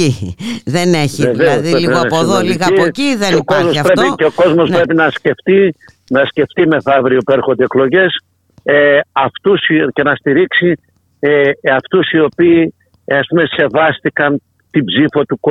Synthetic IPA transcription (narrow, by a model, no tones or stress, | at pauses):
iðeneçieveoðiepðoliɣɐociðeokozmospɾepiceoko̞zmo̞spɾe̞pinɐsce̞ft̪i | nɐsce̞ft̪ime̞θɐvɾiopueɾxond̪eeklo̞ʝe̞s | eɐft̪usce̞nɐst̪iɾiksi | ɐft̪usio̞piː | ɐspume̞se̞vɐst̪ikɐn | t̪ibzifot̪uko